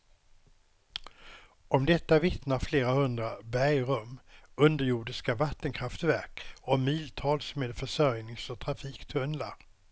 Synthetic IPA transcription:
ɔmd̪ɛt̪ːavɪt̪naɾfleːɾahɵnd̪ɾabæjɾɵmɵnd̪əɾjuːɖɪskavat̪ːənkʰɾaft̪væɾkɔmiːlt̪ʰɑːlsmeːd̪fœʂœɾjnɪŋsɔt̪ʰɾafiːkt̪ʰɵnla̰ɾ

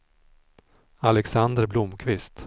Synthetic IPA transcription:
alɛksand̪əɾblʊmkʰvɪst̪

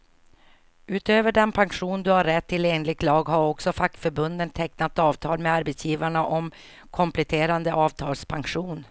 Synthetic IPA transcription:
ʉ̟ːt̪øːvəɖɛnpʰanɧuːnd̪ɵhaɾːɛt̪ʰːɪleːnlɪɡ̚t̪lɑːɡɦaɾɔksɔfakːfœɾbɵnd̪ənt̪ʰɛknat̪ɑːvt̪ʰɑːlmɛaɾbɛt̪sjiːvaɳaʔɔm | kʰɔmplɛt̪ʰeːɾand̪əʔɑːvt̪ʰɑːlspʰaŋɧuːn

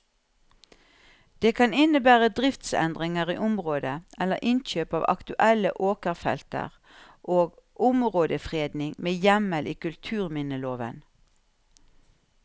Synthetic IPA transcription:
d̪̥eːkʰɑnɪnəbæːʁəd̪ʁɪft̪sɛ̰nd̪ʁɪŋəʁḭːʔʊmʁoːd̪əʔɛləʁʔɪnçøːpɑːʋɑ̰kt̪ʉʔɛlə̰ʔoːkəʁfɛ̰lt̪ə̰ʁ | ʔoːɡʔʊmʁoːd̪əfʁeːd̪nɪŋmeːjɛməlʔiːkʉlt̪ʰʉːʁmɪnəloːʋə̰n

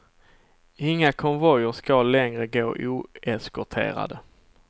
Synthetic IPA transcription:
ɪŋːakʰɔmvɔjəʂkalɛŋɾəɡoːʔuːɛskɔʈʰḛːɾa̰d̪ə

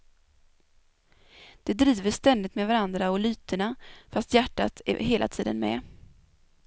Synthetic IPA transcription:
d̪̥ɛd̪ɾiːvəʂt̪ɛnd̪ɪt̪mɛvaɾand̪ɾaɔlyːt̪əɳafast̪jæʈːa̰t̪ʰɛ̰ɦeːlʔa̰t̪ʰḭːd̪ə̰nmɛ̰

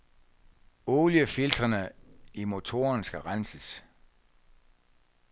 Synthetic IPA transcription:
oːljəfild̥ʁɐnəimo̝t͡sʰo̝̰ɐnsɡ̥æʁansəs

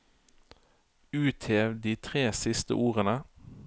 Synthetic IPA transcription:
ʉːt̪ʰeːʋd̪iːt̪ʰʁeːsɪst̪ə̰ʔuːʁənə

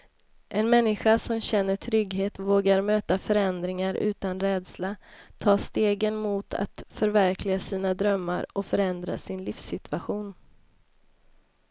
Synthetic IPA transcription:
ʔɛnmɛnːɪɧasɔmɕɛnːəʈʰɾʏɡɦeːt̪voːɡaɾmøːt̪afœɾɛnd̪ɾɪŋaɾʉ̟ːt̪anɾɛːd̪slat̪ʰɑːst̪eːɡənmut̪ʰa̰t̪fœɾvæɾkʰlɪɡasiːnad̪ɾœmːa̰ɾɔfœɾɛnd̪ɾa̰sɪnliːfsɪt̪ʰʉ̥aɧuːn

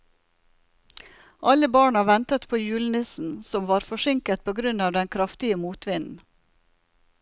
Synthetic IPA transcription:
ʔɑləbɑːɳɑʋɛnt̪ət̪pʰoːjʉːlnɪsn̩sɔmʋɑːɾfɔʃɪŋkət̪̚pʰoːɡɾʉnɑːʋd̪ɛnkʰɾɑft̪ɪəmuːt̪ʰʋɪnn̩

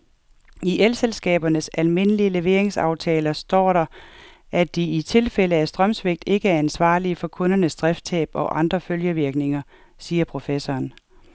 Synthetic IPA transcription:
iʔelselsɡ̥ɛ̰ːb̥ɐnəsælme̝nəliəle̝ʋe̝ɐ̰eŋsɑ̈ʊt͡sʰɛːlɐsd̥ɒ̰ːɾɑ̈ | ʔæd̥iit͡sʰe̝lfel̰əæsd̥ʁɶmsʋe̝ɡ̥̚d̥e̝ɡ̥əæɐænsʋɑ̰̈ːlifɒ̽kʰɔ̽nɐnəsd̥ʁɛfd̥̚t͡sʰɛ̰ːb̥ɒ̽ʔɑ̈nd̥ʁɐføljəʋiɐɡ̥ne̝ŋɐ | siːɐpʰʁo̝fesɒːn

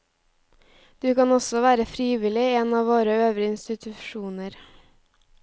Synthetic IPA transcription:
d̪̥ʉːkɑnɔsɔʋæːɾəfɾiːʋɪlɪːeːnɑːʋoːɾəøːʋɾɪəɪnst̪ɪt̪ʰʉʃuːnəɾ

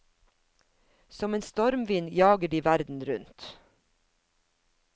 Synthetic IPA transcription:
sɔmeːnst̪ɔɾmʋɪnjɑːɡəɖiːʋæɾd̪n̩ɾʉnt̪

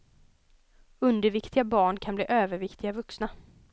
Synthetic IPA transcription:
ɵnd̪əɾvɪkt̪ʰɪɡabɑːɳkʰanblḭːʔøːvəɾvɪkt̪ʰɪɡavɵksna

